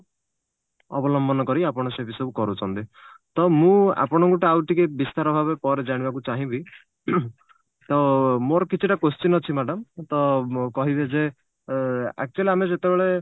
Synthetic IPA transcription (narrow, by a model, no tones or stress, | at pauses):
ɔ̰bɔlɔmbɔnɔkɔɾiapɔɽ̃ɔsebisɔbukɔɾut͡ʃʰɔnt̪it̪ɔmũa̰pɔɽ̃ɔŋkuʈawʈikebist̪aɾɔbʱabepɔɾed͡ʒaɽ̃ibakut͡ʃaɦĩbi | t̪ɔmoɾɔkit͡ʃʰiʈakost͡ʃinɔt͡ʃʰimaɖɔmt̪ɔkɔɦibed͡ʒe | a̰k̚t͡ʃualiamed͡ʒet̪ebeɭe